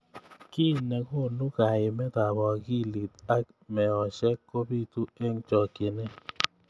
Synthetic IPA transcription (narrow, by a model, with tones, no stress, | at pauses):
ki˦˨nɛ˨ko˦˨nu˦ka˨ɪ˨mɛ˦ta˨ɡɔ˨ɡi˦˨li˨t̪a˦ | mɛ˨ɔ˨ʃɛ˦ko˦bi˦˨t̪u˦e˦ŋ˦t͡ʃɔ˨ke˨ne˦